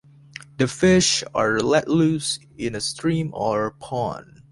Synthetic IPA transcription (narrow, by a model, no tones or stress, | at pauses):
ðəfɪʃəɹlɛtlus | ɪ̃nɨstʰɹĩmɔɹpʰɔ̰̃n